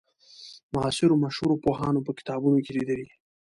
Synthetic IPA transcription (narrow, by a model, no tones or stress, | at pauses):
mʊɑsɪɾomaʃhuɾopoɦɑnopəkɪ̥t̪ɑbunokelid̪əli